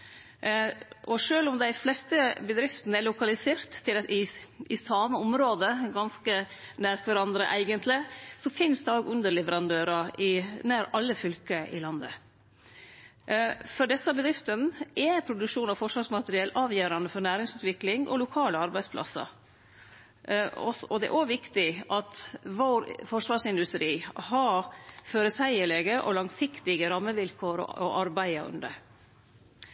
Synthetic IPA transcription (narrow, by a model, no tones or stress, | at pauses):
ʔɔʂøːlʊmd̪æɪflɛst̪əbəd̪ɾɪft̪nəɛlʊkɑlɪseːɾt̪ʰːɪlɪʔɪsɑməʊmɾoːd̪əɡɑnskənæɾk̪ʋæɾɑnd̪ɾə̰ʔæɪɡənt̪ʰlɪsɔfɪnsd̪ɛoːɡʉnd̪əɾɭɛʋəɾɑnd̪øːɾɑɪnæːɾɑlːəfʏlkəʔɪ̰lɑnd̪ə̰ | fɔɖɛsːɑbəd̪ɾɪft̪ənɛpʰɾʊd̪ʉkʂuːnɑfɔʂʋɑːʂmɑt̪əɾɪɛːlʔɑːʋjæːɾɑnəfɔnæːɾɪŋsʉːt̪ʋɪklɪŋʔɔ̰lʊkʰɑːləɑɾbæɪspʰlɑ̰sə̰ɾ | ɔ̰sɔd̪ɛɛ̰ʔoːʋɪkt̪ɪʔɑt̪ʋoːɾfɔʂʋɑːʂɪnd̪ʉst̪ɾiːhɑføːɾəsæɪəɭeːɡəʔɔ̰lɑŋsɪkt̪ɪɡəɾɑmːəʋɪlkʰoːɾɔ̰ɔʔɑɾbæɪɑʉ̰nd̪ə̰